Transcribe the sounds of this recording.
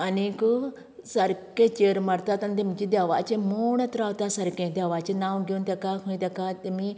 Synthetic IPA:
ɐniku | sɐɾkẽt͡ʃeːɾmɐɾt̪at̪ɐnd̪imit͡ʃid̪aːʋa̰t͡ʃemoːɳɐt̪ɾaːwt̪asɐɾkẽd̪ʲjaːʋat͡ʃenãːwɡʲunt̪ɐkaːkʰũĩt̪ʲɐkat̪imi

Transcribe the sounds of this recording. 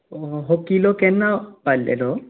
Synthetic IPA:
ɦokilokɛnːapalːḛlo

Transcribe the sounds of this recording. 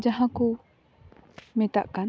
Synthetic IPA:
d͡ʒaɦãku | mɛt̪aʔkan

